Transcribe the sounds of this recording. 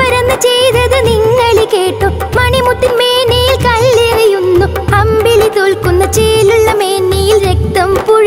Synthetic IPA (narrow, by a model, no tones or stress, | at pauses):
ɐɾɐnːɐt͡ɕejðɐðɨniŋːɐɭikeːʈːo | mɐɳimut̪ːinmeːnːejilkɐɭːiɐʋɐjunːu | ɐmbilit̪olkunːɐt͡ɕeːluɭːɐmeːnːɐjilɾek̚t̪ɐmpuɻ